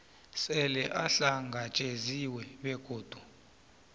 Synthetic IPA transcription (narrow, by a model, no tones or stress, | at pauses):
sɛlɛʔaɬaŋɡʱat͡ʃʼeziwɛɓɛɡ̥ʱoːd̥ʱu